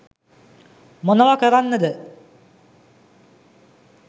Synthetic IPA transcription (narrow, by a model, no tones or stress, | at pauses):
monɐʋakəɾanːəd̪ə